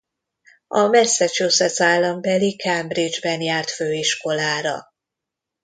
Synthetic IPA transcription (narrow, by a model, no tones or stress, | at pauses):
ɒmɛsːɛt͡ʃosɛsaːlːɒmbɛlikʰɛmbrid͡ʒbɛnjaːrt̪føːiʃko̞laːɾɒ̰